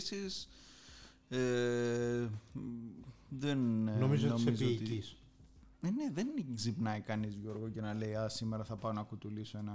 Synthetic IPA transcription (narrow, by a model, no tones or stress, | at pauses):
sis | e | ðennomizot̪noizot̪iis | eneðenɡzipnɐikɐnizʝo̞ɾɣoce̞nɐle̞iɐsimeɾɐθɐpɐonɐkut̪ulisoe̞nɐ